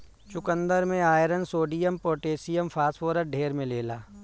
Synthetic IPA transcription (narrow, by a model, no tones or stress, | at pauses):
t͡ʃʊkə̃nd̪əɾmẽaːjɾənsoːɖijəmpoːʈeːsijəmfʰaːsfoːɾəʈ̚ɖʱeːɾmẽleːlaː